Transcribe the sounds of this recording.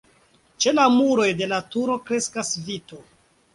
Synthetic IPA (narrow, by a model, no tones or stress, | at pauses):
t͡ʃe̞lamuɾo̞jde̞latuɾo̞kɾe̞skasvito